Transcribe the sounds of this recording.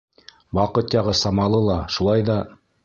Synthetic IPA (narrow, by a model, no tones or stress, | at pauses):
wɑqɤt̪jɑʁɤsɑmɑlˠɤlˠɑʃulˠɑjðɑ